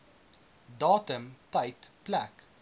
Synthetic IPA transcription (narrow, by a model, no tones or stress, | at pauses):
dɑːtəmtɐjtplæk